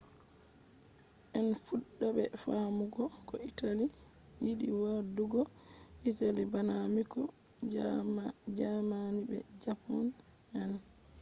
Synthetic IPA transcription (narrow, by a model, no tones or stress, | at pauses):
ʔɛnfuɗːɔɓɛ̰famuɡɔkɔitali | jiɗiwaduɡɔ | ʔitalibanamikɔ | d͡ʒamanibɛ̰d͡ʒapːun | an